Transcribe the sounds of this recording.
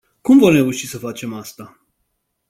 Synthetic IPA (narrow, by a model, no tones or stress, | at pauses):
kumvo̞mre̞uʃisəfat͡ʃe̞mast̪a